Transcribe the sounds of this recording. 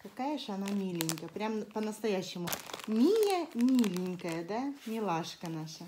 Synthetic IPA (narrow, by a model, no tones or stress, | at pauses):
kɐkajəʐɐnamʲilʲɪnʲkəjəpɾʲampənəst̪ɐjæɕːɪmʊmʲijəmʲilʲɪnʲkəjəd̪amʲɪlˠaʂkənaʂə